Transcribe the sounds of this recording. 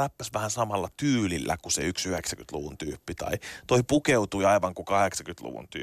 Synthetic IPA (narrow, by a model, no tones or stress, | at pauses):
æpːæsʋæhænsɑmɑlːɑt̪yːlilːæ̰kusḛyksyhɛksækyt̪lṵʋunt̪yːpːit̪ɑ̰it̪oipukeut̪uiɑiʋɑŋkukɑheksɑkyt̪lṵʋṵnt̪y̰ː